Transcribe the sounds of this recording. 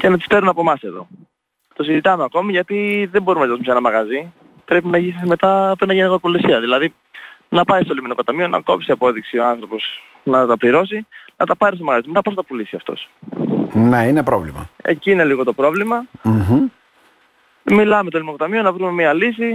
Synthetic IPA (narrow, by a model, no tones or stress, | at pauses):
ce̞nɐt̪i̥st̪e̞ɾunɐpo̞mɐse̞ðo̞̰ | t̪o̞sizit̪ɐmeɐko̞miʝɐt̪iðe̞mbo̞ɾumenɐzit̪osumesenɐmɐɣɐzi | pɾe̞pinɐʝisme̞t̪ɐpoenɐʝeniɣopulisiɐðilɐði | nɐpɐjst̪o̞liminoko̞t̪ɐmio̞nɐ̰ko̞psiɐpo̞ðiksioɐnθɾo̞po̞s | nɐt̪ɐpliɾo̞s̬inɐt̪ɐpɐɾist̪omɐɣɐzit̪omet̪ɐposɐt̪ɐpulisiɐft̪o̞̰s | neinepɾo̰vlḭmɐ̰ḛcine̞liɣo̞t̪o̞pɾo̞vlimɐ | milɐmest̪olinokot̪ɐmio̞nɐvɾume̞miɐlisi